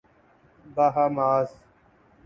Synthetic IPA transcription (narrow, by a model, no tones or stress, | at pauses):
baːɦaːmaːs